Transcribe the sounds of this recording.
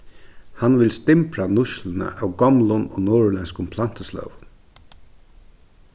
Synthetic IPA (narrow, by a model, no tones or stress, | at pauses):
hanʋɪlst̪ɪmpɹanʊʃlənə̰ʔawɡɔmlʊnɔːnoːɹlɛnskʊmpʰlan̥t̪əslœ̰ːvʊn